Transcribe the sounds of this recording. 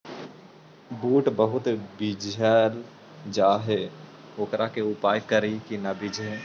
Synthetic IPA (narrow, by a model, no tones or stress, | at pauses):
buːʈbəɦʊt̪bɪd͡ʒəl | d͡ʒaːɦe | oːkɾʔakeʊpaːjkəɾikinɐbɪd͡ʒʱe